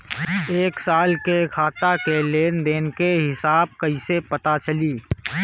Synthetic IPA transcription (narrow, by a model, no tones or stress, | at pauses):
eːksaːlkekʰaːt̪akeleːnd̪eːnkeɦɪsaːb̚kəisepət̪at͡ʃəliː